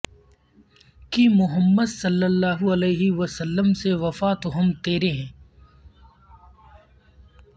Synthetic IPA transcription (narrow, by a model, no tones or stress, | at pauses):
kimʊɦəmːəd̪sɐlːəlːaːɦuɐleːɦiʋəsəlːəmseʋɐfat̪oɦɐmt̪eːɾeɦɛ̃ː